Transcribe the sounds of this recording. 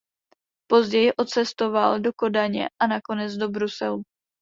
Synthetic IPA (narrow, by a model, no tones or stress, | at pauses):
po̞zɟɛjɪʔo̞t͡sɛst̪o̞valdoko̞daɲɛ̰ʔanako̞nɛd͡zdo̞bɾusɛlu